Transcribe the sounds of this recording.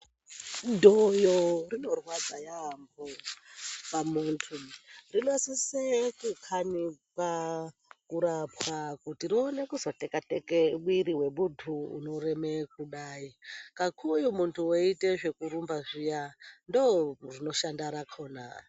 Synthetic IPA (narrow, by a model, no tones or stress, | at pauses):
ndojorino̞rwad͡zajambo | pamuːntʰurinosisekukʰanipa | kuɾapwakutirione̞kuzo̞tekatekeɓwiɾiwe̞ɓudʰʱṵːno̞ɾemekuɗaːikakʰujumuntʰuoiteʐe̞kuɾumbaʐijandorino̞ʃandaɾakʰo̞ːna̰